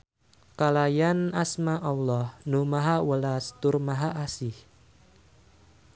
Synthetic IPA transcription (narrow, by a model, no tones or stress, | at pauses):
kalajanasmaʔawlɔhnumaɦawəlast̪ʊrmaɦaʔasɪh